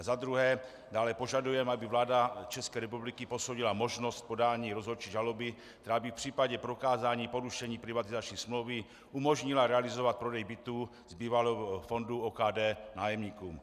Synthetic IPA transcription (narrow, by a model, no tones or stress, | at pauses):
azad̪ɾuɦɛː | daːlɛpo̞ʒadujɛmabivlaːdat͡ʃɛskɛːɾɛpublikipo̞sowɟilamo̞ʒno̞st̪̚po̞daːɲiːɾozɦot͡ʃiʒalobɪ | k̚t̪ɛɾaːbifpr̝̥iːpaɟɛpɾo̞kaːzaːɲiːpo̞ɾuʃɛɲiːpɾivat̪izat͡ʃɲiːsmlowvi | ʔumo̞ʒɲɪlaɾɛalizo̞vat̪̚pɾo̞dɛjbit̪uː | zbiːvalɛɦfo̞nduoːkaːdɛːnaːjɛmɲiːkuːm